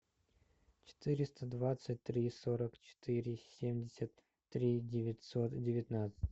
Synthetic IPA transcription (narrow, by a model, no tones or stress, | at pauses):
t͡ɕɪ̥t̪ɨɾʲɪst̪əd̪vat̪sɨt̚ʲt̪ːɾʲiso̞ɾəkt͡ɕɪ̥t̪ɨɾʲɪsʲemdʲɪsʲət̪ː | ɾʲidʲɪvʲɪtʲsot̪dʲɪvʲɪt̪nat̪sɨ̥t̚ʲ